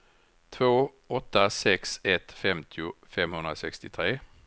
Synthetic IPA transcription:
t̪ʰvoː | ɔt̪ːasɛksɛt̪fɛmt̪ʰɪʊfɛmhɵnd̪ɾasɛkst̪ɪt̪ʰɾeː

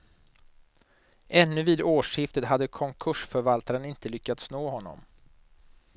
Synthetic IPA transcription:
ʔɛnːɵviːd̪oːʂɪft̪ət̪ɦad̪ːəkʰɔŋkʰɵʂfœɾvalt̪aɾənɪnt̪əlʏkːat̪snoːɦɔnːɔ̰m

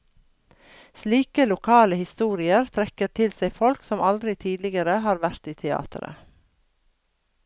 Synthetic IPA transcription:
sliːkəlʊkʰɑːləhɪst̪uːɾɪəɾt̪ʰɾɛkəɾt̪ʰɪlsæɪfɔlksɔmɑld̪ɾɪt̪ʰiːd̪lɪɡəɾəhɑːɾʋæɾt̪iːt̪ʰɛɑ̰ːt̪ʰəɾə̰

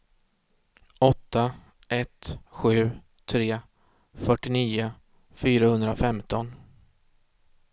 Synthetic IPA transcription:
ɔt̪ːa | ɛt̪ɧʉ̟ː | t̪ʰɾeː | fœʈːɪniːʊ | fyːɾahɵnd̪ɾafɛmt̪ʰɔn

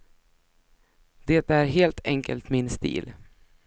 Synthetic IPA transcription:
d̪̥ɛt̪æɾɦeːlt̪ʰɛŋkə̰lt̪mɪnst̪ḭːl

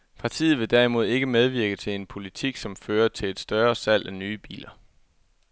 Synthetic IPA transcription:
pʰɑ̈t͡sʰḭːð̞̩ˠʋe̝d̥ɛɐimo̝ð̞̰ˠe̝ɡ̥əmeð̞ˠʋiɐɡ̥ət͡sʰe̝le̝npʰo̝lit͡sʰiɡ̥sɒ̽mføːɐt͡sʰe̝le̝d̥sd̥ɶɐsæl̰ænyːb̥ḭːlɐ

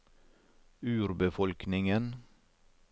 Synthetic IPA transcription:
ʉːɾbəfɔlknɪŋən

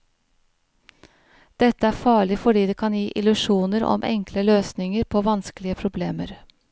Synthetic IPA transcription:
d̪̥ɛt̪ːəæːɾfɑːɭɪfɔɖiːd̪eːkʰɑnjiːʔɪlʉʂuːnəɾɔ̰mʔɛ̰ŋkʰləløːsnɪŋəɾpʰoːʋɑnskəlɪəpʰɾʊbleːmə̰ɾ

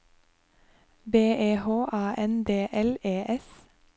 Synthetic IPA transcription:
beːʔeːhoːʔɑːʔɛnd̪eːʔɛleːʔɛs

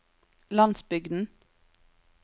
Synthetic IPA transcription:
lɑnsbʏɡd̪n̩

